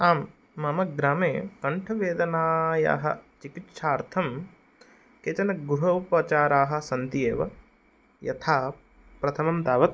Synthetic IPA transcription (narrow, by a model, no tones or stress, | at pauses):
aːmː | ɐmɐɡɾaːmeːkɐɳʈʰɐʋeːd̪ɐnaːja̰ːɦɐ̰t͡ʃikit̪ʂaːɾt̪ʰɐm | keːt͡ʃɐnɐɡɾuɦɐupɐt͡ʃaːɾaːɦɐ̆sɐnt̪ijeːʋɐ̰ | jɐ̰t̪ʰaː | pɾɐt̪ʰɐmɐmd̪aːʋɐt̪̚